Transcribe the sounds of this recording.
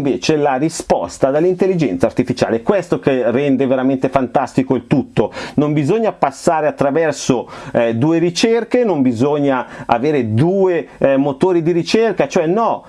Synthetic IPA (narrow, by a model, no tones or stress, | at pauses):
veːt͡ʃelaɾispɔ̰st̪ad̪elːint̪elːid͡ʒɛnt̪sart̪ifit͡ʃa̰ːlekwest̪okerːɛnd̪eveɾament̪efant̪ast̪ikoilt̪ut̪ːonombizoɲːapasːaːɾeat̪ːɾavɛrsod̪uːeɾit͡ʃerkenombizoɲːaa̰veːɾed̪uːemot̪oːɾid̪iɾit͡ʃerkat͡ʃoɛnɔ